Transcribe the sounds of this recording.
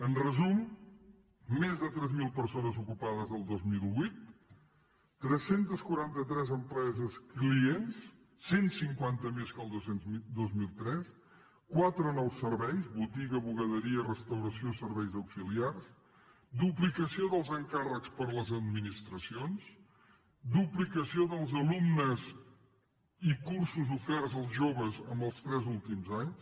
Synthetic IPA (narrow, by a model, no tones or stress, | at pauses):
ənrəzum | ezðət̪ɾɛzmilˠpəɾsonəzukupaðəzəlˠd̪ozmilˠβujt̪̚ | ɾɛsːent̪əskwuɾant̪ət̪ɾɛzəmpɾɛzəskliensː | ensiŋkwant̪əmeskəlˠd̪osend̪ozmilˠt̪ɾɛs | kwat̪ɾənɔwsəɾβɛjzβut̪iɣəβuɣəðəɾiərəst̪əwɾəsiosəɾβɛjzəwksiliars | d̪uplikəsioðəlˠzəŋkarəkspəɾləzəd̪minist̪ɾəsions | d̪uplikəsioðəlˠzəlumnəz | ikuɾsuzufɛɾzəlˠzʒoβəzəmbəlˠst̪ɾɛzulˠt̪imzaɲs